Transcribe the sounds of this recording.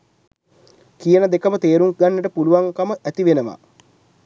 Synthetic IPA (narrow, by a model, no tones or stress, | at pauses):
kijənəd̪ekəmət̪eːɾuŋɡanːəʈəpuluʋaŋkaməʔæt̪iʋenəʋa̰